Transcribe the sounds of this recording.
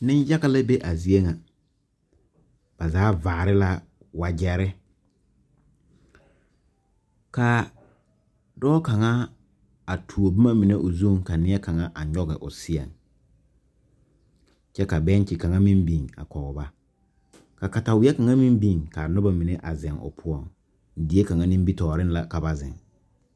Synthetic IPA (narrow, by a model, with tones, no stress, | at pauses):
nɪ˦nja˦ɣa˦la˦be˦ʔa˨zi˨e˦ŋa˨ | b̥a˨zaː˨˦vaː˨ɾɪ˦la˦ | wa˨d͡ʒɛ˦ɾɪ˦ | ka˨ | dɔː˦ka˨ŋa˦ | a˨tʰu˨o˨bi˦ma˦mi˨ne˦ʔʊ˨zu˦ŋka˨nɪ˦ɛ˦ka˨ŋa˦ʔa˨ɲɔ˦ɣɛ˨ʔʊ̰˨sɪ˦ɛ̰˨ŋ | t͡ʃɛ˦ka˨bɛ˦n˦t͡ʃɪ˨ka˨ŋa˦mi˦mbi˨ŋa̰˨kɔ˨ʊ˨ba˦ | ka˨ka˨ta˨wɪ˨˦ɛ˦ka˨ŋa˦mi˦m˦bi˨ŋka˨nʊ˦ba˨mi˨ne˦ʔa˨zɛ˨ŋʊ̰˨pʰʊ˦ɔ˦˨ŋ | di˨e˦ka˨ŋa˦nĩ˦m˦bi˦tɔː˨ɾɪ˦n˦la˨ka˨ba˦zɪ̰̃˨ŋ